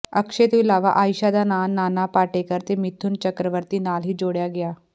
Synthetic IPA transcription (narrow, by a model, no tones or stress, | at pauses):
əkʂet̪ilaʋa̰ʔaːjʃad̪anaːnːanapaʈekəɾt̪emit̪ʰuːnt͡ɕəkɾəʋəɾt̪iːnaːlɦiːd͡ʒoɽjaɡja